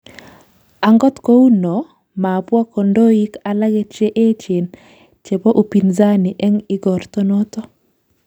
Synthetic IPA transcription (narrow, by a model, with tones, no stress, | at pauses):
a˨ŋɡɔ˦tko˦u˦nɔ˨ | ma˨pwa˦ko˨ndo˦i˦ka˨la˦ɡe˦t͡ʃe˦ʔe˦t͡ʃe˨n | t͡ʃe˨bo˦ʔu˨pi˨nza˦ni˨ʔɛ˦ŋɪ˦ɡɔ˨ɾto˦no˦tɔ˦